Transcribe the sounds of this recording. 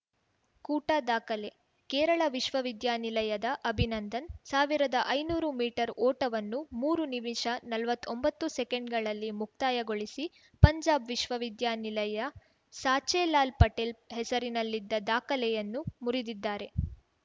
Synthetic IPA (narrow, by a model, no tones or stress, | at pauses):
kuːʈad̪aːkɐle | kɛːɾɐɭɐʋiʃʋɐʋid̪jaːnilɐjɐd̪ɐʔɐbʱinɐnd̪ɐnsaːʋiɾɐd̪ɐʔɐjnuːɾumiːʈɐɾʔɔːʈɐʋɐnːumuːɾuniʋiʃɐnɐlʋɐt̪ːombɐt̪ːusɛkeɳɖɡɐɭɐlːimuk̚t̪aːjɐɡo̞ɭisi | pɐɲd͡ʒaːbʋiʃʋɐʋid̪jaːnilɐjɐ | saːt͡ʃeːlaːlpɐʈelɦɛsɐɾinɐlːid̪ːɐd̪aːkɐlɛjɐnːumuɾid̪id̪ːaːɾe̞